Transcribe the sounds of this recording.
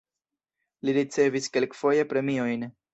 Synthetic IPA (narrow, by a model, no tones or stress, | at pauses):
liɾit͡se̞viske̞lkfo̞je̞pɾe̞mio̞jn